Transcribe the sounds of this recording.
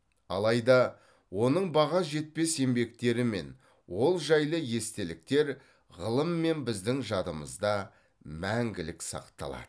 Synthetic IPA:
ɑ̰lˠɑjd̪ɑ | wo̞nəɴbɑʁɑʒe̞t̪̚pe̞se̞mbe̞k̚t̪e̞ɾɪme̞̰n | wo̞lˠʒɑjlˠəje̞st̪e̞lɪk̚t̪e̞ɾ | ʁəlˠəmːe̞nbɪzd̪ɪŋʒɑd̪əməzd̪ɑ | mæŋɡʲɪlɪksɑ̰qt̪ɑ̰lˠɑ̰d̪ə

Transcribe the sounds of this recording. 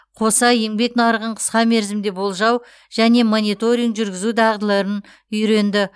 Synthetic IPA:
qʰo̞sɑje̞ŋbe̞knɑɾəʁəɴqʰə̥sqɑme̞ɾzɪmd̪e̞bo̞lˠʒɑw | ʒ̥æne̞monit̪o̞ɾʲijŋkʒʏɾɡʲɪzud̪ɑʁd̪əlˠɑɾən | ʏjɾe̞nd̪ɪ

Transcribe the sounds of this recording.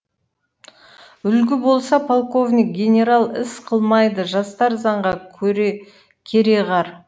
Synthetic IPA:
ʏlɡʲɪbo̞lˠsɑpʰolˠko̞vnʲik̚ɡʲe̞nʲe̞ɾalˠɪ̰sqʰəlˠmɑjd̪əʒɑst̪ɑɾzɑɴʁɑɾ | kʲʰe̞ɾe̞ʁɑɾ

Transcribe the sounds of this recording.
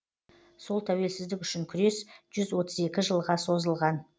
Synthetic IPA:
so̞lˠt̪ʰæwe̞lsɪzd̪ɪkʲʏʃɪŋkʲʰʏɾe̞sʒ̥ʏzwo̞t̪əze̞kʲɪʒəlˠʁɑso̞zəlˠʁɑn

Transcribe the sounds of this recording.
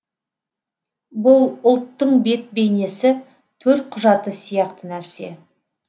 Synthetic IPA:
bʊlˠʊlˠt̪ːəɴbe̞t̪̚be̞jne̞sɪ | t̪ʰɵɾt̪̚qʰʊʒɑt̪əsijɑqt̪ənæɾse̞̰

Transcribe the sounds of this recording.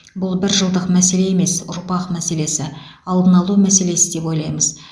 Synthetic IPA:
bʊlˠbɪɾʒəlˠd̪əqmæse̞le̞eme̞sʊɾpɑqmæse̞le̞sɪɑlˠd̪ənɑlˠumæse̞le̞sɪd̪e̞po̞jlˠɑjməz

